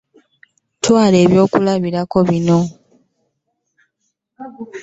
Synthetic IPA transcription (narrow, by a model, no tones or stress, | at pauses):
twaːle̞ːβjo̞ːkulaβiɾako̞βino̞